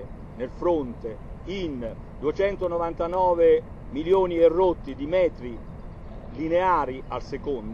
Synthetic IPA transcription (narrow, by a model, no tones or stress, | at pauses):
nelfɾont̪ein | d̪uet͡ʃɛnt̪onovant̪anɔːve | miljoːnierːot̪ːid̪imɛːt̪ɾi | lineaːɾialsekond̪